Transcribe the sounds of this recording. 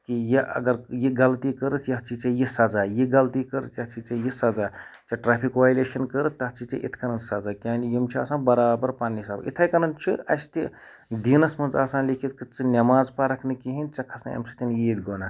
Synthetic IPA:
kijiʔɐ̰ɡɐɾjiɡɐlt̪ikəɾət̪ʰjɐɦɐt͡ʃʰit͡ʃɐjisɐd͡zajiɡɐlt̪ikəɾət̪ʰjɐɦɐt͡ʃʰit͡sɐjisɐzaːt͡sɐʈɾaːpʰikʋaːjleːʃɐnkəɾət̪ːɐɦɐt̪t͡ʃʰit͡sḭʔḭt̪ʰkɐnɐnsɐd͡zaːkʲaːnjimt͡ʃʰia̰ːsãːnbɐɾaːbɐɾpaːnːiisaːbḭt̪ʰɐːjkɐnɐnt͡ʃʰiɐ̰st̪i | d̪inɐsmɐnzaːsaːnlikʰit̪kɨt͡sɨnʲɐmaːzpaɾɐkʰnɨkiɦint͡sɐkʰɐsa̰ɐ̰msʰit̪injiid̪ɡona

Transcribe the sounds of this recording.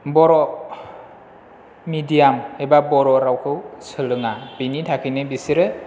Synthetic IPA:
bɔɾɔ | midijamebabɔɾɔɾawkʰɯwsɯlɯŋab̥initʰakʰinɯbisiɾɯ

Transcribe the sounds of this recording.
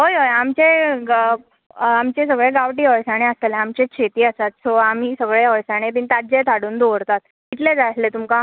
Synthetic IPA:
ɦojɦojamt͡ɕe | amt͡ɕẽsəɡɭeɡaʋʈiːəjsaɽ̃eəseleamt͡ɕeɕʰet̪iːəsat̪soam̤iːsəɡɭeəjsaɽ̃epint̪ad͡ʑet̪ʰaɽuːnd̪oʋəɾt̪at̪ | it̪led͡zajslet̪umkã

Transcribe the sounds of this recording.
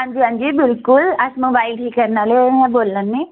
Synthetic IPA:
ɦãɲd͡ʒiːɦãɲd͡ʒiːbɪlkʊləsmõbailʈʰiːkːəɾnaleɦɛ̃boːlːənːi

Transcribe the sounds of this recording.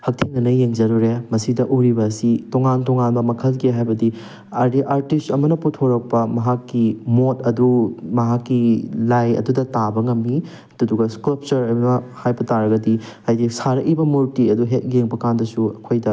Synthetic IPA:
hɐk̚tʰiŋnɐnɐjeŋd͡ʒɐɾuɾemɐsidɐʔuɾibɐsitoŋantoŋanbɐmɐkʰɐlɡeɦajbɐdi | ɐɾiʔaɾtistɐmɐnɐputʰoɾɐk̚pɐmɐɦakːimotɐdumɐɦakːilajɐ̰dudɐtabɐŋɐmːi | dɐduɡɐskulp̚t͡ʃɐɾɐjmɐnɐhajbɐtaɾɐɡɐdi | ajdisaɾɐkibɐmuɾtiɐduɦet̚jeŋbɐkandɐsuɐkʰojdɐ

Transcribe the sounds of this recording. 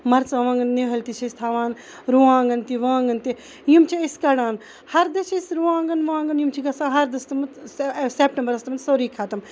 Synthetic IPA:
mɐɾt͡sɐʋãːŋɡɐnːeɦɐlʲt̪it͡ʃʰɐsʲt̪ʰaːʋãːn | ɾuãːŋɡɐnt̪iʋãːŋɡɐnt̪i | jumt͡ʃʰiɐskɐɽãːn | hɐɾd̪ɐt͡ʃʰɐsɾuãːŋɡɐnʋãːŋɡɐnjumt͡ʃʰiɡɐsãːɦɐɾd̪ɐst̪ɐmɐt̪seːp̚ʈɐmbəɾɐst̪ɐmɐnsoːɾiːkʰaːt̪ɐm

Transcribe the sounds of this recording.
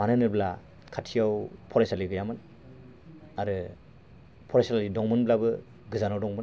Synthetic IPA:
manɯnɯbla | kʰatʰijawpʰɔɾasaliɡɯjamɯn | aɾɯ | pʰɔɾajsalalidɔŋmɯnblabɯ | ɡɯzanawdɔŋbɯn

